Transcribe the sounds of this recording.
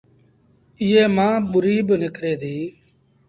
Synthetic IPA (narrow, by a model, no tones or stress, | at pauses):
ɪeːmãːɓʊɾiːbnɪkɾeːd̪iː